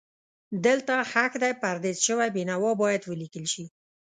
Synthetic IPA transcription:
d̪əlt̪axakd̪ajpaɾd̪ezʃəwajbenawɑbɑjad̪wəlikəlʃi

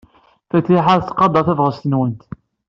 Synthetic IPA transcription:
fæt̪ːiħaɾθqɑd̪ˤɑθævʁəst̪ənwənt̪

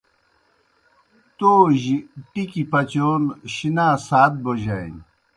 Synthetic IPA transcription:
t̪oːʑiʈikipɐt͡ɕoːnɕinaːsaːt̪̚boʑaḭn

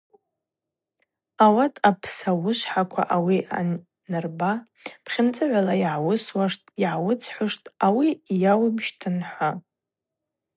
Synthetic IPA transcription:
awatʼapʰsawʊʃʷħakʷʰa̰ʔawiʔa̰ | nɨrba | pʰχʲɪnt͡sʼɨʕʷalajʕawʊswaʂtʼiʕawʊt͡sʰħʷʊʂtʼawijawmʃtʰɨnħʷa

